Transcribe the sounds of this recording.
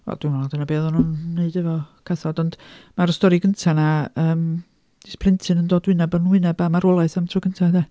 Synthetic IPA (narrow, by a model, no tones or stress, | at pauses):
ɛ̰d̥unɔladɛnabeːðɔnunːeɨdɛvɔkʰaθɔdɔnd̥maɾəstɔɾiɡəntʰanaəːm | ispʰlˠɪntʰɨnəndoːdwɪnɛbənwɪnɛbamaɾɔlˠajθamtʰruːɡəntʰadɛ